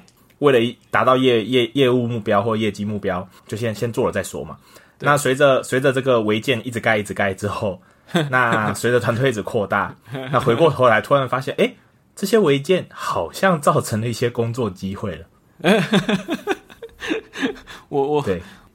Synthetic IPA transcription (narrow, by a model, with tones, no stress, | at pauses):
we˥˩ɪlə˨˩i˧t̪a˨˦t̪ɑ˥˧ʊjɛ˥˧jɛ˥˧jɛ˥˧u˥˧mu˥˩pjɑ˥ʊxwɔ˥˩ʈ͡ʂə˩˦jɛ˥˩t͡ɕi˥mu˥˩pjɑ˦˥ʊt͡ɕjo˥˩ʊɕjɛ˥nɕjɛ˥nt͡swɔ˥˩lə˩t͡sa˥˩ɪswɔ̰˥ma̰˩ | na˥˨swe˧˥ɪd͡zə˨swe˧˥ɪd͡zə˨ʈ͡ʂɤ˥˩ɡə˩we˧˥ɪt͡ɕjɛ˥˩˨ni˥˩ʈ͡ʂɻ̩˧˩ka˥˧ɪi˥˩ʈ͡ʂ̩˨˩ka˥˧ɪʈ͡ʂɻ̩˥xo˥˩˨ʊ | na˥˧swe˧˥ɪd͡zə˨t̪ʰwa˧˥nwe˥˧ɪi˥˩ʈ͡ʂ̩˨˩kʰɔ˥˧t̪a̰˥˩a˥˩xwe˧˥ɪkwɔ˥˨xo˧˥˩ʊla˧ɪt̪ʰu˥ɻa˧˥nfa˥ɕjɛ˥˨nʔe˥˩ɪ | ʈ͡ʂɤ˥˩ɕjɛ˦˥we˧˥ɪt͡ɕjɛ˥˨˩nxɑ˨˩ʊɕjɑ˥˧ŋt͡sɑ˥˩ʊʈ͡ʂʰə˧˥ŋnlə˨i˥˩ɕjɛ˦kʊ˦ŋt͡swɔ˥˨ə˩t͡ɕi˦˥xwe˥˩ɪlə˩˨˩ | t̪we˥˩ɪ